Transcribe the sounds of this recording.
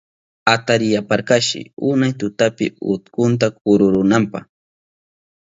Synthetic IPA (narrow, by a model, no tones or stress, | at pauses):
at̪aɾɪjapaɾkaʃɪ̰ʊnajt̪ʊt̪apɪ̰ʊ̰t̪kʊnt̪̬ak̚ʊɾʊɾʊnampɑ̰χ